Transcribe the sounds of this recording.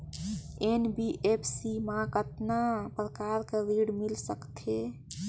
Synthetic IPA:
enbiʔepʰsimãkət̪napɾəkaɾkeɾiɽmilsəkt̪ʰe

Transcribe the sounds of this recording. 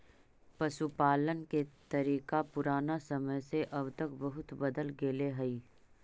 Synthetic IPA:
pɐʃupaːlənket̪ɐɾiːkapʊɾaːnasɐməjseʔɐbt̪əkbɐɦʊt̪bɐd̪əlɡeːleɦɐiː

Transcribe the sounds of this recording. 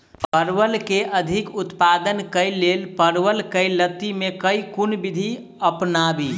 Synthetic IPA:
pəɾʋəlkeʔəd̪ʱikut̪pad̪ənkəjlelpəɾwəlkəjlət̪ːimekəjkunbid̪ʱi | əpnabi

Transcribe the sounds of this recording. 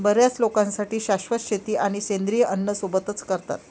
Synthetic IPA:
bəɾjat͡slokãnsaʈiːɕaɕʋət̪ɕʰet̪iːʔaɽ̃isend̪ɾijəʔənːəsubət̪ət͡skəɾt̪a̰t̪

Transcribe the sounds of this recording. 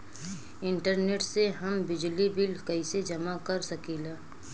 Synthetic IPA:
ɪ̃ɳʈəɾneːʈseɦɐmbɪd͡ʒlibɪlkɐised͡ʒɐmakɐɾsɐkiːlaː

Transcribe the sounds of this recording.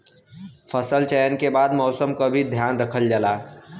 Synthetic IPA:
pʰəsəlt͡ʃəjənkebaːd̪mɔʊsəmkobʱid̪ʱjaːnɾəkʰəld͡ʒalaː

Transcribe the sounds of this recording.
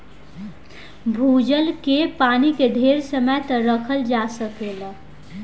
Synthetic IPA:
bʱud͡ʒəlkepanikeɖʱeɾsəməjt̪əɾəkʰəld͡ʒasəkelə

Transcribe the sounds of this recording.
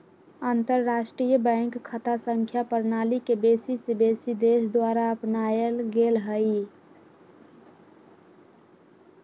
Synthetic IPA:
ant̪əɾːasʈɾijəbə̃ɪŋkʰːət̪ʰasəŋkʰjapəɾnalikebesisebesid̪esd̪waɾaəpnajəlɡelɦəj

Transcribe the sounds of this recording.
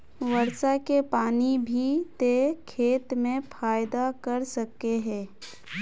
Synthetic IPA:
ʋɐɾsakepaːnibʱit̪ekʰeːt̪mẽfʰaːjd̪akɐɾsɐkːeɦɛ̃ː

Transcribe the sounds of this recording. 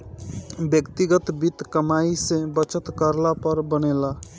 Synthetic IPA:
bjʌkt̪iɡət̪bit̪kəmaisẽbʌt͡ʃət̪kəɾlapəɾbənela

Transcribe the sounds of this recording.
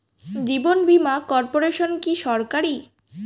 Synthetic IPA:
d͡ʑibonbimakɔɾpoɾeʃonkiʃɔɾkaɾi

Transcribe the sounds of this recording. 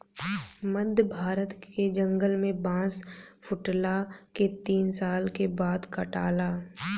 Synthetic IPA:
məd̪ʱjəbʱaːɾət̪ked͡ʒə̃ŋɡəlmẽbãːspʰʊʈlaket̪iːnsaːlkebaːd̪kaʈaːlaː

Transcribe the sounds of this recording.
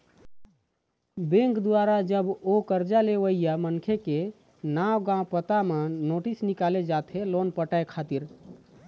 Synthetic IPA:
bẽŋkd̪waɾad͡ʒəbokəɾd͡ʒaleʋəijamənkʰeke | nawɡãpət̪amenoʈisnikaled͡ʒat̪ʰelonpəʈaekʰat̪iɾ

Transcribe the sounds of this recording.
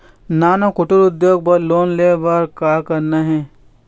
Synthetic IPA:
naːnokʊʈʊɾʊd̪joːɡ̚pɐɾloːnleːbaɾkaːkɐɾnaɦɛ̃ː

